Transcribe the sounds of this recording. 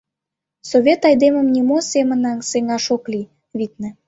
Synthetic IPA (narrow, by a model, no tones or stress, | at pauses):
soβʲet̪ɑjd̪emə̆mnimosemə̆nɑnseŋɑʃokli | βit̪̚nĕ